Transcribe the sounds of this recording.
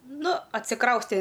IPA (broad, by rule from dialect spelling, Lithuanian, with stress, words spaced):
ˈnʊ ɐtʲsʲɪˈkrɐʊsʲtʲeː